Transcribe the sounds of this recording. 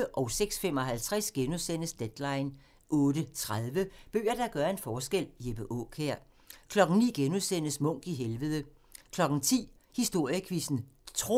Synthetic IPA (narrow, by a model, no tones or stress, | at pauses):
əʔɒ̽ʊseɡ̥sfem̰ɒ̽ɦælt͡sʰʁasɡ̥enuðˠsen̰əsd̥ed̥lɑ̈ɪn | ʔɔ̽ːd̥ət͡sʰʁaðˠʋəb̥ø̰ːɐd̥ɑɡ̥ɶːɐe̝nfɒːsɡ̥el̰jeb̥əʔɔ̰kʰeɐ̰ | kʰlɒ̽ɡ̥n̩nḭːɡ̥enuðˠsen̰əsmɔ̽ŋ̰ɡ̥iɦelʋəð̞ˠə | kʰlɒ̽ɡ̥n̩t͡sʰḭː | hisd̥o̝ɐ̰jəkʰʋisn̩t͡sʰʁo